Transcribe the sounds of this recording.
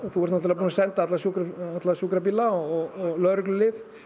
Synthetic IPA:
θuɛɾt̪nɔt̪ɪlapuːnasɛnt̪aat̪lasjukɾaat̪lasuːkɾap̬iːlaɔɔɣɔɣlœðɾʏklʏlɪð

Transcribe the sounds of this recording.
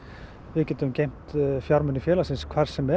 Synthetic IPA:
vɪðcɛːt̪ʏmcejm̥t̪fjaɾmʏnːʏfjɛːlasɪnskʰvar̥sɛmɛ

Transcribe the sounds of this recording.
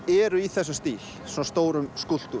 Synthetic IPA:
ɛɾʏiθɛs̬ʏmst̪iːl | sɔnast̪oːwɾʏmskul̥t̪u

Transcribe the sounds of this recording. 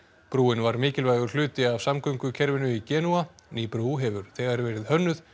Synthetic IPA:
pɾuːɪnvaɾmɪːcɪlvajɣʏɾ̥lʏːt̪ɪavsamkʰœɥmkʏcʰɛɾvɪnʏicɛːnuaniːpɾuːɦɛvʏɾ̥θɛɣaɾvɛːɾɪðhœnːʏθ

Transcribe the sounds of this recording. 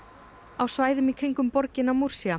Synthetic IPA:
awsvaːjðʏmikʰɾiŋkʏmpɔɾcɪnawmuɾ̥sia

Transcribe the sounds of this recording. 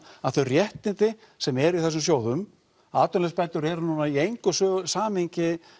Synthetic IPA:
aðθœɥrjɛht̪ɪnt̪ɪ | sɛmɛɾiθɛs̬ʏmsjoːwðʏm | aːt̪œnlɛspaːjt̪ʏɾɛɾnuːnaiejŋkʏsœsaːmɪɲcɪ

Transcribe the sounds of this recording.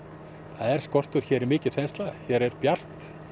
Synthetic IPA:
θaðɛɾ̥skɔr̥t̪ʏɾ̥çɛːɾɪɾmɪːcɪ̥θɛnst̪laçɛɾɛɾpjar̥t̪

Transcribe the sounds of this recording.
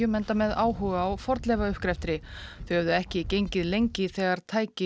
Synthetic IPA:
ʏmɛnt̪amɛðaːwɦuːɣaːwfɔɾt̪lɛvaʏhkɾɛft̪ɾɪθœhœvðʏɛhcɪcejɲcɪðlejɲcɪθɛːɣaɾ̥t̪ʰaːjcɪ

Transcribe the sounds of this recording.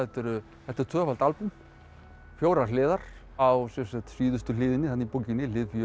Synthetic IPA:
ɛht̪ɪɾ | θɛht̪ːɛɾ̥t̪ʰvœːfalt̪alpum | fjoːwɾalɪːðaɾ̥ | awsɛmsat̪siːðʏst̪ʏlɪːðɪnɪhanːipowcɪnɪlɪːðfj

